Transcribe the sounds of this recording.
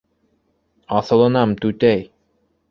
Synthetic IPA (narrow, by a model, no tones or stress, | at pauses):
ɑθɤ̆lˠɤ̆nɑmt̪ʉt̪æj